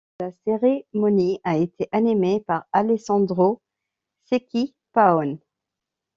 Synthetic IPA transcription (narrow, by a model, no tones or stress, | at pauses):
aseʁemɔniaet̪ʰeʔanimepaʁalesɑ̃d̪ʁo | sekʲi | paɔn